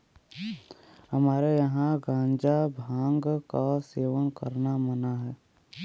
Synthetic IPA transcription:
ɦəmaːɾejəɦãɡãːɲd͡ʒabʱãːŋɡkaseːʋənkə̰ɾnamənaɦɛː

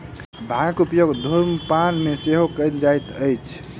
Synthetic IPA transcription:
bʱãkupjoɡd̪ʱoɾməpanmeseɦokənd͡ʒajt̪əjt͡ʃʰ

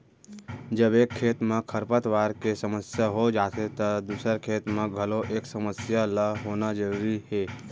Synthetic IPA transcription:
d͡ʒəbeːkʰːeːt̪mẽkʰəɾpət̪ʋaːɾkesəməsjaɦod͡ʒaːt̪ʰet̪əd̪uːsəɾkʰeːt̪mẽɡʱəloʔeːksəməsjalaɦoːnad͡ʒəɾuːɾiɦeː

